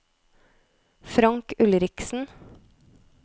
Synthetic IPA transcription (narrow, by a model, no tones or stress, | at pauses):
fɾɑŋkʉlɾɪksn̩